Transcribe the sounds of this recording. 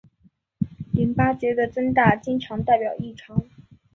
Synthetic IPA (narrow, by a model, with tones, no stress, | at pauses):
li˧˥npa˥t͡ɕjɛ˧˥d̪ə˧˨ʈ͡ʂə˥ŋt̪̬a˥˩t͡ɕi˥nʈ͡ʂʰɑ˧˥ŋt̪a˥˩ɪpjɑ˨˩ʊi˥˩ʈ͡ʂʰɑ˧˥ŋ